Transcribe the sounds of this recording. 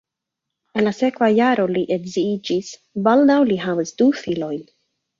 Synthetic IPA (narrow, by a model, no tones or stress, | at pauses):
enlasekvajaɾoliʔetziid͡ʒis | baldawliɦavəsd̥ufilojn